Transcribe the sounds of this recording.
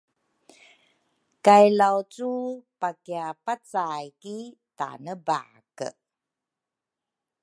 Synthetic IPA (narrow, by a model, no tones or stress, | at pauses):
kajlawt͡supakiapat͡sajkita̰nəba̰ | kə̰